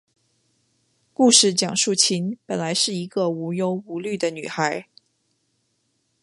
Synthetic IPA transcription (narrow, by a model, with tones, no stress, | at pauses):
ku˥˧ʂɻ̩˥˩t͡ɕjɑ˨˩ŋʂu˥˩t͡ɕʰi˧˥npə˨˩nla˧˥ɪʂɻ̩˥˩i˧˥ɡə˧u˧˥jo˧˥ʊu˧˥ly˥˩d̪ə˩ny̰˨˩xa˧˥ɪ